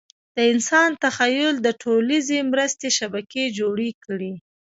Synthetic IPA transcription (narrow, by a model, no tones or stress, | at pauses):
d̪̥əɪnsɑnt̪axajʊld̪əʈʰolizemɾəst̪eʃabaked͡ʒoɽikəɽi